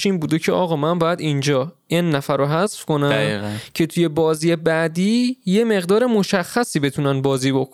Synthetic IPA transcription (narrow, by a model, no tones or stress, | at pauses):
ʃiːnbuːd̪ecʰe̞ʔɒːɣɒːmænbɒːjæd̪ind͡ʒɒːʔenːæfæɾoɦæzfko̞næmːɣcʰe̞t̪ʰuje̞bɒːziːje̞bæd̪iːje̞me̞ɣd̪ɒːɾe̞mo̞ʃæxːæsiːbe̞t̪ʰunænbɒːziːbok